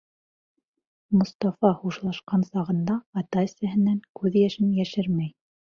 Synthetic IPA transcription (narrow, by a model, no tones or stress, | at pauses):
mŏst̪ɑfɑhuʃlˠɑʃqɑnsɑʁɤ̆nd̪ɑːt̪ɑɘsæɦɘ̆næŋkʉðjæʃɘnjæʃɘɾmæj